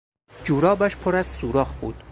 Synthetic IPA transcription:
d͡ʒuːɾɒːbæʃpʰoɾæz̥suːɾɒːxbuːd̪̥

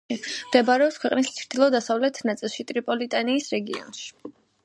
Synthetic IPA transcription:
md̪̥ɛbaɾɛɔpskʰwɛqʼnist͡ʃʰɾd̪̥ilˠɔd̪asavlɛt̪ʰnat̪sʼilˠʃit̪ʼɾipʼɔlit̪ʼaniːsɾɛɡiɔ̰nʃi̥

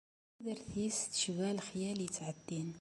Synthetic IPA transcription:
d̪əɾˤθist̪ʃbælxjæljət̪ʕad̪ːin

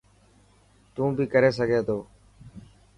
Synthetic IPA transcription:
t̪ũːbʱiːkəɾeːs̬əɡʱeːt̪ʰoː

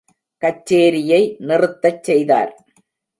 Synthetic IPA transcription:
kɐt͡ʃːeːɾɪjɐɪnɪrɯt̪ːɐt͡ʃːɛjða̰ːɾ

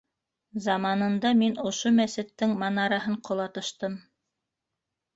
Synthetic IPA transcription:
zɑmɑnɤ̆nd̪ɑminŏʃomæsɘ̆t̪ːɘŋmɑnɑɾɑɦɤɴqʰŏlˠɑt̪ɤ̆ʃt̪ɤm

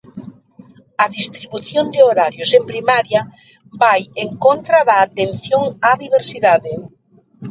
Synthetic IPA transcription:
ɐðist̪ɾiβuθjond̪eoɾaɾjosempɾimaɾja | bajeŋkont̪ɾaðaːt̪enθjoŋaðiβ̞eɾsiðaðe

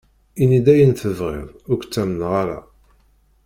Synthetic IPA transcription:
inid̪æjənθəvʁɪ̰ðˤʊɾkt͡sːæmənʁaɾa̰

